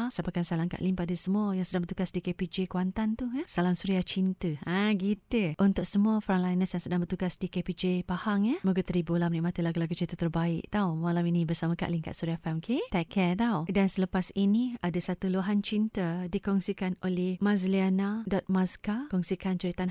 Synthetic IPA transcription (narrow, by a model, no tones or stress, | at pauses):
sapakansalamka̰ʔliŋpadəsəmuajaŋsədaŋbərt̪uɡasdikepid͡ʒekwant̪ant̪uasalamsuɾiaht͡ʃint̪əaɡit̪əʔunt̪ʊk̚səmuafɾanlajnəsjaŋsədaŋbərt̪uɡasdikepid͡ʒepahaŋjəhmuɡət̪əɾibolamniʔmat̪əlaɡulaɡut͡ʃint̪ət̪ərbaɪ̰ʔt̪awmalawinibərsamaka̰ʔliŋka̰ʔsuɾiafɛmkʰet̪ɛkɛt̪awdansələpasiniadasat̪uloɦant͡ʃint̪ədikɔŋsikanolɛhmãzlianadɔt̪̚maskakɔŋsikant͡ʃəɾit̪an